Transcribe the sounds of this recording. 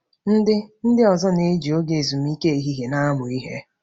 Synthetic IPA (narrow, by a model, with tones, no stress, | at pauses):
n̩˦dɪ˦n̩˦dɪ˦ɔ˨zɔ˦ne˦d͡ʒi˨o˦ɡe˨zu˨m˦i˦ke˦i˨ɦi˦ɦe˨na˦a˦mʊ˨i˦ɦe˦